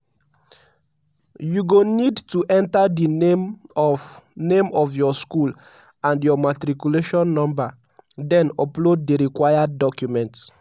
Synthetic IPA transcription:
juɡonidtuʔɛ̃ntadim | nẽmɔfjɔskul | ãndjɔmatɾikjuleʃɔ̃nːɔ̃mba | dɛ̃nɔploddiɹikwajadːɔkjumɛ̃nt

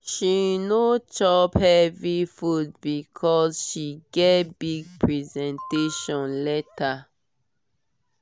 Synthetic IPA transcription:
ʃinot͡ʃɔbhɛvifut̚bikʰɔzʃiɡɛtbiɡ̚pɹɛzɛ̃nteʃɔ̃nlɛta

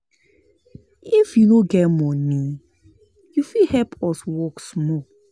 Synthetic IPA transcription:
ifjunoɡɛtmɔ̃nĩ | jufihɛpʰɔswɔksmɔ

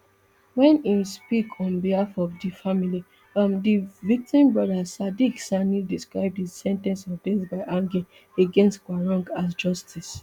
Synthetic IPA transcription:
wɛ̃nispikʰɔ̃nbihafɔvdifamili | ãmdivik̚tĩmbɹɔdasadiksanidiskɹaɪb̚disɛ̃ntɛ̃nsɔvdẽnsbaɪʔãŋɡi | eɡɛ̃nstkwaɹɔ̃ŋɡas̬d͡ʒɔstʰis

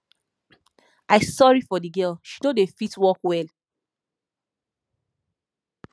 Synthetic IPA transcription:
aɪsɔɹifɔdiɡɜlʃi̥todefitwɔkwɛl

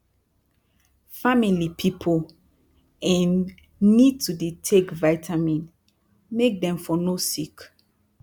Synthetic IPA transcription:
familipʰipʰol | ɛ̃nː | id̚tʰudetʰekvaɪtʰamĩn | mek̚dɛ̃mfɔnosik

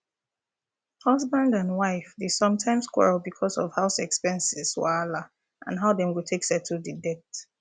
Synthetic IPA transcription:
hʌzbãndãnwaɪfdesʌ̃mtʰãɪ̃mskʰwɛ̰ɹlˠbikʰɔsɔv̥haʊsɛkspɛ̃nsɪz̥wala | ʔã̰nɦaʊdɛ̃mwiltʰeksɛtʰudədɛt

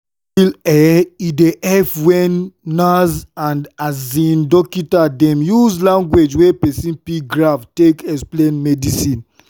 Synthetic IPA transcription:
ilɛideʔɛfwɛ̃nːazãndazĩndɔkitadɛ̃mjuzlãŋɡwed͡ʒwepɛsĩnpiɡɹaftekɛksplenmɛdisĩn

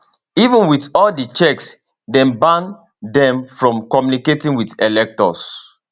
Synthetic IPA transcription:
ivə̃nwiθɔldit͡ʃɛks | dɛ̃mbãn | dɛ̃mfɹɔ̃mkɔmjuniketĩŋwitɛlɛk̚tɔ̰s

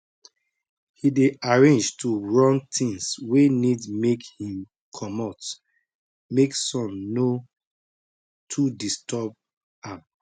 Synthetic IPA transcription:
hideʔaɹẽnd͡ʒtʰuɹɔ̃ntʰĩŋswenidmekhĩm | kʰɔmɔt | meksɔ̃mno | tʰudistʰɔb̚ | ãm

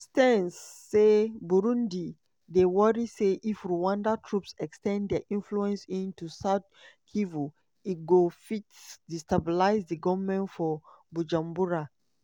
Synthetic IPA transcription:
stɛ̃nsː | ebuɹũndi | dewɔɹiseʔifɹuwãndatʰɹupsɛkstɛ̃ndɛʔĩnfluɛ̃nsĩntusaʊt̚ | kʰivu | iɡofitsdistabilaɪzdiɡɔvmɛ̃ntfɔ | bud͡ʒãmbuɹa

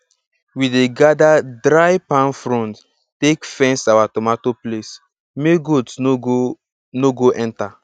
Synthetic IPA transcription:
wideɡadadɾajpãnfɹɔ̃nt | tekfɛ̃nsawatɔmatoples | meɡods | noɡoʔɛ̃nta

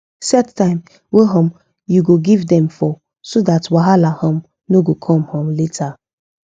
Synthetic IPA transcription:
sɛttːãɪ̃m | weɦɔ̃m | juɡoɡivdɛ̃mfɔ | sodatwaɦalahɔ̃m | noɡokʰɔ̃mhɔ̃mletʰa

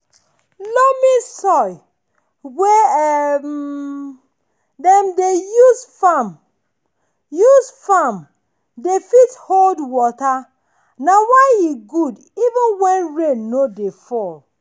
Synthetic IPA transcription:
lomĩsɔj | we | dɛ̃mdejusfam | juzfãm | defitholdwɔta | nawaɪiɡud | ivũnwɛ̃nɹeːodefɔl

